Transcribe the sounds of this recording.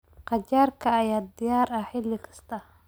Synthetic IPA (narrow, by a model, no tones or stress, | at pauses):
qɑt͡ʃaːrkʰɐːjaːd̪ɪjaːɾɐħɪlːɪkʰɐ̥st̪ʰɐ